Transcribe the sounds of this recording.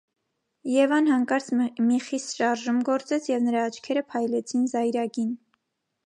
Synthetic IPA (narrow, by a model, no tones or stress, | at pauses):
jɛvɑnhɑŋkɑɾt͡sʰmiχist̪ʃɑɾʒumɡɔɾt͡sɛt͡sʰjɛvnəɾɑːt͡ʃʰkʰɛɾəpʰɑjlɛt͡sʰinzɑjɾɑɡin